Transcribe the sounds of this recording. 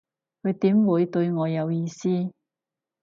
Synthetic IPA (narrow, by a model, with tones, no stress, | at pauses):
kʰɵ˨˧ɥt̪iː˨˥mwuː˨˧jt̪ɵ˧ɥŋɔː˨˧jɐ˨˧wjiː˧siː˥